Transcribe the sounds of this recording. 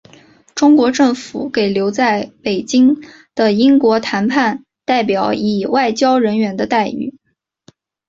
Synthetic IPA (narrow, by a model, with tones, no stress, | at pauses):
ʈ͡ʂʊ˥ŋkwɔ˧˥ʈ͡ʂɤ˥˩ŋfu˨˧˥ke˨˩ɪljo˧˥ʊt͡sa˥˩ɪpe˨˩ɪt͡ɕi˥ŋ | d̪̥ə˨i˥ŋkwɔ˧˥t̪ʰa˧˥npʰa˥˧n | t̪a˥˩ɪpjɑ˨˩˦ʊi˨˩wa˥˩ɪt͡ɕjɑ˥ʊɻə˧˥nɥɛ˧˥nd̪ə˧t̪a˥˧ɪy̰˨˩˦